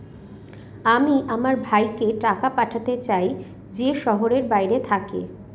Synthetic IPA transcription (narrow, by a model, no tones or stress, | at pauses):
amiʔamaɾbʱajkeʈakapaʈʰat̪et͡ɕaj | d͡ʑeʃɔɦoɾeɾbajɾet̪ʰakḛ